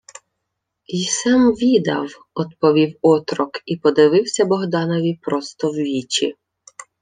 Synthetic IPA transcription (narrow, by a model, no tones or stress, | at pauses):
isɛmʋʲid̪ɐ̰w | ɔd̪pɔʋʲiwɔt̪ɾɔkipɔd̪ɪʋɪwsʲɐbɔɦd̪ɑnɔʋʲipɾɔst̪ɔwʋʲit͡ʃʲḭ